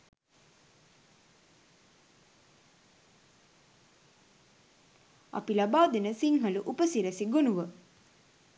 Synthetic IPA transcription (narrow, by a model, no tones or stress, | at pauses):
a̰pilabaːd̪enəsiŋɦəluʔupəsiɾæsiɡonuʋə